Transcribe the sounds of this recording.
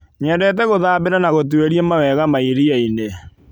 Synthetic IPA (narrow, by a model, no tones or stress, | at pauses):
ɲɛdɛt̬ɛɣoðaːbeɾanaɣot̬ueɾiɛmawɛɣamaiɾiaine